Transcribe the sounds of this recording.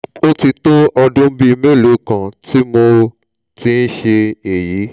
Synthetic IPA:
o˦ti˧to˦ʔɔ˧dũ˦bi˦˧mẽ˦˨lo˨˦kã˨ti˦mo˧ | ti˦n̩˦ʃe˧e˨ji˨˦

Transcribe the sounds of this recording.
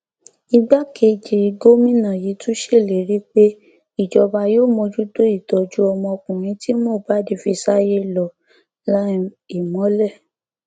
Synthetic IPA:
i˧ɡ͡ba˦kʰe˧d͡ʒi˨i˧ɡo˦mĩ˦nã˦˨ji˨˦tũ˦ʃe˦˨le˨ɾi˦k͡pe˦ | i˦˨d͡ʒɔ˧ba˧joː˦˨mɔ̃˧d͡ʒu˦do˦i˦˨tɔ˨d͡ʒu˦ɔ˧mɔ̃˧kũ˨ɾ̃ĩ˧˦ti˦mɔ̃˦˨ba˦di˧fi˧sa˦je˦lɔ˨ | la˦ | i˨mɔ̃˨˦lɛ˦˨

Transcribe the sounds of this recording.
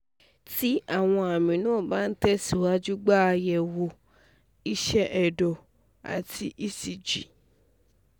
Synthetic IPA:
ti˦a˦˨w̃ɔ̃˧a˨mĩ˨nũ˦o˦˨ba˦n̩˦tɛ˦si˨wa˨˦d͡ʒu˦ɡ͡ba˦˧jɛ˨wo˧ | i˦ʃɛ˦ʔɛ˨dɔ˨ | a̰˨tʰi˧ʔi˦si˨d͡ʒi˨

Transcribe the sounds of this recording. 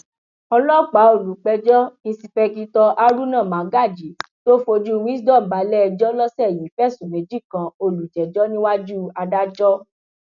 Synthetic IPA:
ɔ˧lɔ˦˨k͡pa˨˦o˧˨lu˨˦k͡pɛ˧d͡ʒɔ˦nĩ˧si˧fɛ˧ki˧tɔ˧ʔa˦ɾu˦nã˦˨mã˨˦ɡa˦˨d͡ʒi˨˦to˦fo˧d͡ʒu˦˧wĩ˦s̬dɔ̃˦˨m̩˨ba˨˦lɛ˦ɛ˧d͡ʒɔ˦lɔ˦sɛ˦˨ji˨˦fɛ˦˨su˨mẽ˨d͡ʒi˦kã˨o˧lu˨d͡ʒɛ˨d͡ʒɔ˦nĩ˦wa˦d͡ʒu˦a˧da˦d͡ʒɔ˦

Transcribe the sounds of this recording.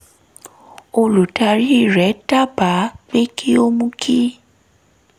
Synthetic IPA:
o˨lu˨tʰʼa˨ɾi˦˨rɛ˨˦tʼa˦ba˨˦k͡pe˦kʼi˦o˦mu˦kʰʼi˦

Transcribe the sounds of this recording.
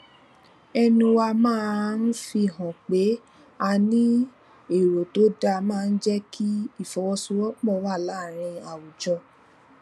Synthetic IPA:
ɛ˧nũ˧wa˧mãː˦n̩˦fi˧ɦɔ̃˨k͡pe˨˦ | a˧nĩ˦ | e˨ɾo˨to˨˦da˧mãː˦˨˧n̩˦d͡ʒɛ˦ki˦i˦˨fɔ˨wɔ˧su˦wɔ˦k͡pɔ˦˨˦wa˦˨la˨˦˨ɾ̃ĩ˧a˨wu˨d͡ʒɔ˧

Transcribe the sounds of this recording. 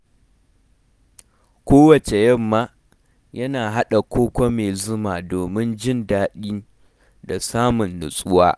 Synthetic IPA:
kʷoː˦wɐ˨t͡ʃe˨jɐ˦mːaː˦ | jɐ˦naː˨ɦa˦ɗa˨kʷoː˦kʷɐ˦meː˨zʊ˦maː˨doː˨mɪ˦nd͡ʒɪ˦ndaː˦ɗiː˦ | da˨saː˦mʊ˨nlʊ̰˨sʼʊ˦waː˦

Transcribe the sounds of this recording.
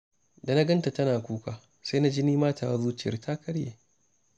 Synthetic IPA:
da˨na˦ɡɐ˦nta˨tɐ˦naː˨kʷuː˦kaː˨ | sa˦na˦d͡ʒiː˦niː˦maː˦tʰaː˨wa˦zuː˦t͡ʃɪ˨jɐ̰˦rtʰaː˦kɐ˦ɽjḛː˨

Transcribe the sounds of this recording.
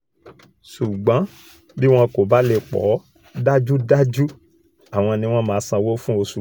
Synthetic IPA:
su˨ɡ͡bã˨˦ | bi˦w̃ɔ̃˦ko˨ba˦le˧k͡pɔ̰˨˦ | da˦d͡ʒu˦da˦d͡ʒu˦ | a˨w̃ɔ̃˧nĩ˧˦w̃ɔ̃˦mãː˨˦sã˧wo˦fũ˦o˧su˨

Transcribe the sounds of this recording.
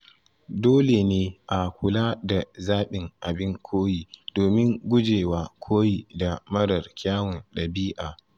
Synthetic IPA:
doː˦le˨neː˦ʔa˨kʷʊ˨laː˦da˨zaː˦ɓɪ˨ŋʔa˨bɪ˦ŋkʷʰoː˦jiː˨doː˨mɪ˦ŋɡʷʊ˦d͡ʒeː˨waː˦kʷʰoː˦ji˨da˨mɐ˦ɾɐ˨rkʲaː˦wɔ˨nɗɐ˨biː˦ʔaː˨

